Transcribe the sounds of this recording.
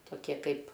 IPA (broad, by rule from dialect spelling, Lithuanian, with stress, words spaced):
toːˈkʲiɛ ˈkɐɪp